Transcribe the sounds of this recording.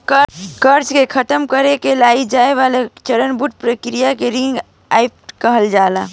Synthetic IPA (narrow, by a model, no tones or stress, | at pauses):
kəɾt͡ʃkekʰət̪əmkəɾekelaid͡ʒaeʋalet͡ʃəɾənbuʈ̚pɾəkɾijakeɾiŋɡ | ajp̚kəɦəld͡ʒala